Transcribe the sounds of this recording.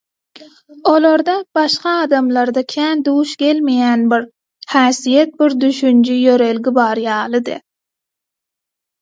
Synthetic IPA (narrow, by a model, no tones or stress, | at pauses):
olˠoɾd̪ɑb̥ɑʃqɑɑːd̪ɑmlˠɑɾd̪ɑkʲʰæːnd̪uːʃɡʲelmejænbiɾ | hæːsijet̪̚biɾd̪yʃynd͡ʒyjøɾelɡʲibɑɾjɑːlˠɨd̪ɨ̰